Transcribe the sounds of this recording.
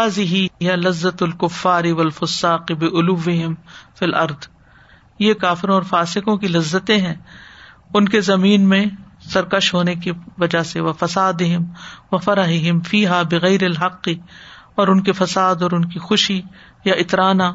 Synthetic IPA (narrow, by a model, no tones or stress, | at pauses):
aːzɪɦiɪjalɐzːɐt̪ʊlkʊfːaːɾɪʋɐlfʊsːaːqɪbɪʔʊlʊʋːɪɦɪmfilʔɐɾd̪ | jeːkaːfɪɾõɔːɾfaːsɪkõkilɐzːət̪ẽɦɛ̃ | ʊnkezɐmiːnmẽsɐɾkɐʃɦoːnekiʋɐd͡ʒaseʋɐfɐsaːd̪ɪɦɪmʋɐfɐɾɐɦɪɦɪmfiːɦaːbɪɣɐjɾɪlɦɐqːɪɔːɾʊnkifɐsaːd̪ɔːɾʊnkixʊʃi | jaʔɪt̪ɾaːnaː